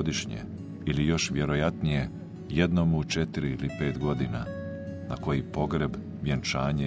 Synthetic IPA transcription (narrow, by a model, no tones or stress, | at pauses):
d̪iʃɲḛ | ilijo̞ʃʋjeɾojat̪nije̞ | jed̪nomuut͡ʃet̪iɾiilipe̞ːt̪ɡo̞d̪ina̰ | nako̞jipo̞ɡɾe̞b | ʋjant͡ʃaːɲe